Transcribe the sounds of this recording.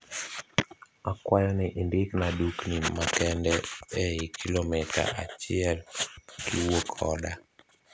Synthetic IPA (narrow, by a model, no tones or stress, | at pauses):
akwajɔnɪʔindɪknaduknimakɛndɛɛikʰilomɪta̰at͡ʃɪɛlkiwokʰɔ̰da